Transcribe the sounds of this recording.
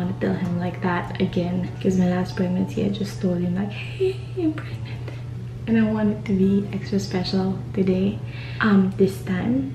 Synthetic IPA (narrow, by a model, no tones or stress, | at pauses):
ɑ̃nɨtɛlˠɨ̃mlaɪk̚ðætɨɡɛ̃nkʰʌz̃nɨlæspʰɹ̥ɛɡ̚mɨ̃nshḭɨd͡ʒʌstʰoʊlˠd̚ɨ̃mlaɪkheɪ | ɨ̃npʰɹ̥ɛɡ̚mɨ̃nt | ɨ̃naɪwɑ̃nɨd̚tɨbiɛkstɹ̥ɨspɛʃl̩ˠtʰɨdeɪ | ʔʌ̃mðɪstʰãɪ̃m